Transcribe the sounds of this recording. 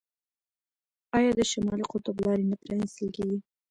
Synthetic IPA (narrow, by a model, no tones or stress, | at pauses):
ɑjɑd̪əʃamɑliqʊt̪ʊblɑɾenapɾɑnɪst̪əlkeɡi